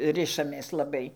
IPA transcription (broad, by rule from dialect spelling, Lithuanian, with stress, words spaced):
ˈrʲɪʃɐmʲeːs lˠɐˈbɐɪ